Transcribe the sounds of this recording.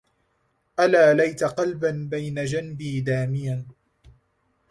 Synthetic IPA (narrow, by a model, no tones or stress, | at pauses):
ʔalaːlajt̪aqɑlbanbajnad͡ʒanbiːd̪aːmɪjan